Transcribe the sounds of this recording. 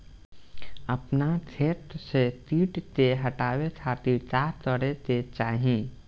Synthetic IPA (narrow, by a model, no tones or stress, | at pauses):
ɐpnat̪ʰeːʈ̪set̪iːʈt̪eɦɐʈaːwet̪ʰat̪it̪aːt̪ɔɽet̪et͡ʃaːɦiẽː